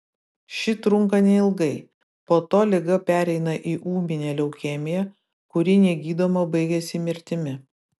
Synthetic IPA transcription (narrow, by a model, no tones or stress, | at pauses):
ʃʲɪt̪ɾʊŋˑkɐnʲɛɪlˠɡɐɪ | poːt̪oːlʲɪɡɐpʲæːɾʲɛɪnɐʔiːʔuːmʲɪnʲɛːlʲɛʊkʲeːmʲɪjɛ | kʊɾʲɪnʲiːɡʲiːd̪oːmɐbɐɪɡʲɛsʲɪmʲɪɾʲt̪ʲɪmʲɪ